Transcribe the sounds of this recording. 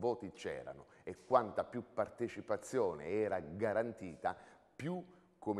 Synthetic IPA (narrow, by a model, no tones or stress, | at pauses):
vɔːt̪it͡ʃɛ̰ːɾa̰nʊekːwant̪apjupːart̪et͡ʃipat̪sːjɔːnḛɛːɾaɡaɾant̪iːt̪a | pju | kʰːom